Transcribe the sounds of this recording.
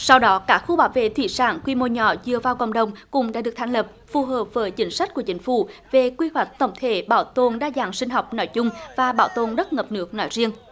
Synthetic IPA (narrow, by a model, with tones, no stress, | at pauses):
sa˧wɗɔ˨˦kaː˦˥k̚xu˧ɓaː˨˦wvḛ˧˨t̪ʰḭ˧˩sa̰ː˧˩nkwi˧mo˧ɲɔ̰˧˩˦zɨ˧əvaː˧wkə̰˧˨wŋ͡mɗə˨˩wŋ͡mkʊ̰˧˥ŋ͡mɗaː˧˥ɗɨ˨˩ək̚t̪ʰaː˧˩ŋ̟lə˨˩p̚fu˨˩ɦəː˨˩p̚vəː˨˦jt͡ɕï˨˦ŋ̟sa˦˥k̟̚ku˧˩ət͡ɕï˨˦ŋ̟fṵ˧˩ve˨˩kwi˧hwa˨˩jk̟̚t̪ə˧˩wŋ͡mt̪ʰe˧˩ɓaː˧˩wt̪o˨˩nɗaː˧zaː˧˨˩ŋsï˧ŋ̟ɦa˨˩wk͡pp̚nɔ˨˦jzʊ˧ŋ͡mvaː˨˩ɓaː˧˩wt̪o˨˩nɗə˦˥t̚ŋə˨˩p̚nɨ˦˥ək̚nɔ˨˦jzi˧əŋ